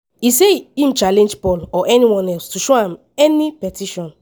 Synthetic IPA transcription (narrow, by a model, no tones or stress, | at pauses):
iseim̩t͡ʃalẽnd͡ʒpɔlɔʔɛniwɔ̃nɛlstuʃoãm | ɛnipɛtiʃɔ̃n